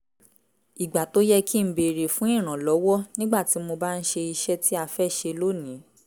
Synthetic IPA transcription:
i˨ɡ͡ba˨to˦jɛ˦ki˦m̩˦be˨ɾe˨fũ˨˦ĩ˦˨ɾ̃ã˨lɔ˨˦wɔ˦nĩ˦ɡ͡ba˦˨ti˨˦mo˧ba˦n̩˦ʃe˧i˧ʃɛ˦ti˦a˧fɛ˦˨ʃe˧lo˦˨nĩ˨˦

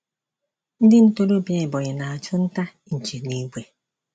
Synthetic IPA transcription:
n̩˦dɪ˦n̩˦to˦ɾo˦bje˦ɪ˨bɔ˨ɲɪ˨na˨a˨t͡ʃʊ˦n̩˦ta˦ | n̩˨t͡ʃe˨ni˦ɡ͡bʷe˨

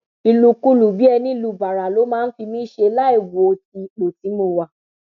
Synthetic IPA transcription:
i˧lu˧ku˦lu˨bi˨˦ɛ˧nĩ˦i˧lu˧˨ba˨ɾa˨lo˨˦mãː˦n̩˦fi˧mĩ˦ʃe˧la˦i˦˨wo˨ti˧˨k͡po˨tĩ˨˦mo˧wa˨

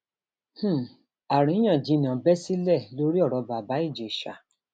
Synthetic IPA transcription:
h̩˦˨ | a˨ɾ̃ĩ˨˦i˦j̃ã˦˨d͡ʒĩ˨˦nĩ˨ɔ̃˨bɛ˦si˦lɛ˦˨lo˦ɾi˦ɔ˦˨ɾɔ˨˧ba˨ba˨˦i˦˨d͡ʒe˨ʃa̰˨

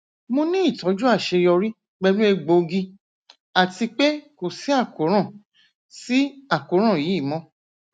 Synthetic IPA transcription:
mõ˧nĩ˦i˦˨tɔ̃˨˦d͡ʒu˦a˦˨ʃe˧jɔ˧ɾi˦ | ɡ͡bɛ˧lũ˦e˧ɡ͡bo˧ɡi˧ | a˨ti˧k͡pe˦ko˦˨si˨˦a˦˨ko˨˦ɾ̃ã˦˨ | si˦a˦˨ko˨˦ɾ̃ã˦˨ji˨˦i˦˨mɔ̃˨˦

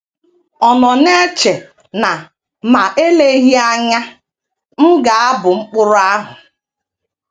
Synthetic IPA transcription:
ɔ˨nɔ˨ne˦t͡ʃe˨ | na˨ | ma˨e˦le˦ɦi˦a˦ɲa˦ | m̩˦ɡa˨a˦bʊ˨ŋ͡m̩˦k͡pʊ˦ɾʊ˦a˦ɦʊ˨

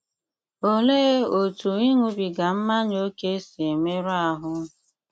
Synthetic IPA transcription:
o˦leː˦o˨tu˨i˦ŋu˨bi˨ɡa˨m̩˦ma˦ɲ˦o˦ke˦si˨e˨me˦ɾa˨ɦʊ˦

